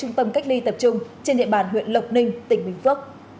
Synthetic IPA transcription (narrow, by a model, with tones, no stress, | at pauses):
ʊ˧ŋ͡mt̪ə˧mka˦˥jk̟̚li˧t̪ə˨˩p̚t͡ɕʊ˧ŋ͡mt͡ɕe˧nɗḭ˧˨əɓaː˨˩nɦwḭ˧˨ənlə˨˩wk͡p̚nï˧ŋ̟t̪ï˨˩ŋ̟ɓï˧˩ŋ̟fɨ˦˥ək̚